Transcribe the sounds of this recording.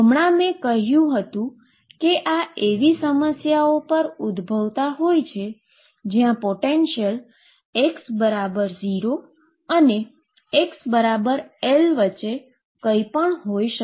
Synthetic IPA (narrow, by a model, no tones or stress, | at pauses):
əmɳamẽkəɦjũɦət̪ũ | keʔaʔeʋisəməsjaopəɾud̪bʱəʋt̪aɦojt͡ʃʰe | d͡ʒjãpoʈenʃəl | eksbəɾabəɾziɾo | əne | eksbəɾabəɾelʋət͡ʃːe | kəipəɳɦojʃə